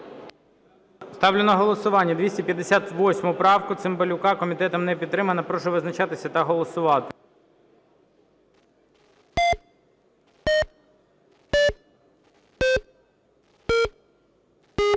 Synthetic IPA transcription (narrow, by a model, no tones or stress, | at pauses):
st̪ɑwlʲenɔɦɔlˠɔsʊʋɑnʲːɐd̪ʋʲisʲtʲipʲjɐd̪ːesʲat̪ʋɔsʲmʊpɾɑwkʊt̪sɪmbɔlʲʊkɑkɔmʲit̪ɛt̪ɔmnɛpʲid̪ːɾɪmɐnɐpɾɔʃɛʋɪznɐt͡ʃɑt̪ɪsʲɐt̪ɐɦɔlˠɔsʊʋɑt̪ɪ̥